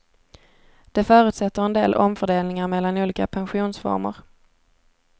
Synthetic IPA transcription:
d̪̥ɛfœːɾʉ̟ːt̪sɛt̪ːəɾɛnd̪ḛːlʔɔmfœɖeːlnɪŋaɾmɛlːanuːliːkapʰɛnɧuːnsfɔ̰ɾmə̰ɾ

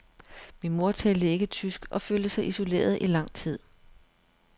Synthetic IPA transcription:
minmo̝ɐt͡sʰɛld̥əe̝ɡ̥ət͡sʰysɡ̥ɒ̽føːld̥əsɑ̈ɪʔiso̝le̝̰ːɐð̞ˠʔilɑ̈ŋ̰t͡sʰið̞̰ˠ

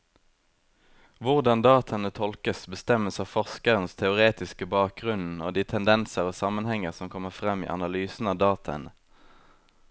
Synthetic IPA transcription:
ʋʊʁd̪ɑnd̪ɑːt̪ʰɑənət̪ʰɔlkəsbəst̪ɛməsɑːfɔʁskəʁənst̪ʰɛʊʁeːt̪ɪskəbɑːk̚ɡʁʉnn̩oːd̪iːt̪ʰɛnd̪ɛnsəʁoːsɑmənhɛŋəʁsɔmkʰɔməʁfʁɛmḭːʔɑ̰nɑlyːsn̩ɑːʋd̪ɑːt̪ʰɑə̰nə

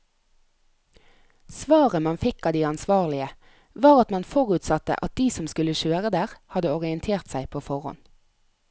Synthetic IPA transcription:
sʋɑːʁəmɑnfɪkɑːd̪iːɑnsʋɑːʁlɪə | ʋɑːʁɑt̪mɑnfɔʁʉːt̪sɑt̪ːə̰ʔɑt̪̚d̪iːsɔmskʉləʃøːʁəd̪æːʁhɑd̪əɔʁɪɛnt̪ʰeːʁt̪sæɪpʰoːfɔʁhɔ̰n

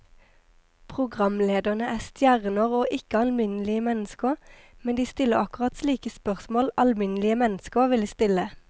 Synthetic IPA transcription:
pʰʁʊɡʁɑmleːd̪əʁnəʔæːst̪jæʁnəʁoːʔɪkəɑlmɪnəlɪəmɛnəskə | mɛnd̪iːst̪ɪləʁɑkʊʁɑt̪sliːkəspœʁsmoːlɑlmɪnlɪəmɛnskəʋɪləst̪ɪlə

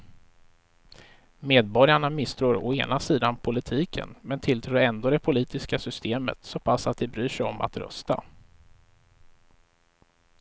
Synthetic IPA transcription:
meːd̪̚bɔɾjaɳamɪst̪ʰɾuːɾɔ̰eːnasiːd̪anpʰʊlɪt̪ʰiːkʰə̰nmɛnt̪ʰɪlt̪ʰɾuːɾɛnd̪oːd̪ɛpʰʊliːt̪ɪskasʏst̪eːmə̰t̪soːpʰasːat̪̚d̪ɛbɾyːʂɛɔmʔa̰t̪ɾœ̰st̪a̰

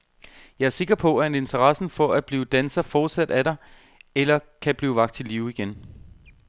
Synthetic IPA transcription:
jɑ̈æɐse̝ɡ̥ɐpʰɒ̽ææne̝nt͡sʰɐʁɑsn̩fɒ̽æ̥b̥liːd̥ænsɐfɒːd̥sæd̥æɾ̥ɑ̈ɪ | elɐkʰæb̥liːʊʋɑ̈ɡ̥̚d̥t͡sʰe̝liːʊiɡ̥en

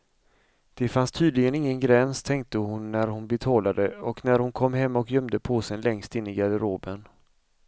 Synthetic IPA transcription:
d̪̥ɛfanst̪ʰyːd̪lɪɡənɪŋːənɡɾɛnst̪ʰɛŋk̚t̪əhʊnːæɾhʊnbɛt̪ʰɑːlad̪əɔknæɾhʊnkʰɔmːɦɛmːɔkjœmd̪əpʰoːsɛnlɛŋst̪ɪnːɪɡad̪əɾoːbən

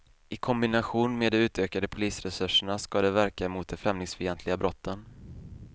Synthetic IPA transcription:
ɪkʰɔmbɪnaɧuːnmeːd̪ɛmʉ̟ːt̪øːkad̪əpʰʊliːsɾɛsɵʂəɳaskad̪ɛvæɾkamʊːt̪̚d̪ɛfɾɛmlɪŋsfɪjɛnt̪ʰlɪɡabɾɔt̪ʰːən

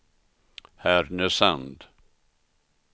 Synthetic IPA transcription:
hæɾnəsand̪

